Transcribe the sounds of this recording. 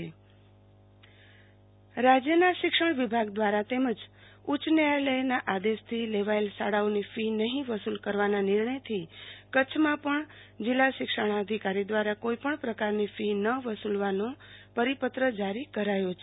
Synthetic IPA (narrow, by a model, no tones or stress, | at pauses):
e | ɾad͡ʒjənaʃɪkʂəɳʋɪbʱaɡd̪ʋaɾat̪eməd͡ʒ | ut͡ʃnealəjnaʔad̪eʃt̪ʰileʋaelsaɽaonifinəɦĩʋəsulkəɾʋananɪɾɳəjt̪ʰikət͡ʃʰmãpəɳ | d͡ʒɪlːaʃɪkʂəɳ̃aəd̪ʱikaɾid̪ʋaɾakoipəɳpɾəkaɾnifinəʋəsulʋanõpəɾipət̪ɾəd͡ʒaɾikəɾajot͡ʃʰe